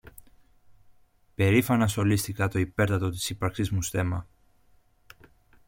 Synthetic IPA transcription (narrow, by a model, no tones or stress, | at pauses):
pe̞ɾifɐnɐsxo̞list̪ikɐt̪o̞ipe̞ɾt̪ɐt̪o̞t̪i̥sipɐɾksizmusθe̞mɐ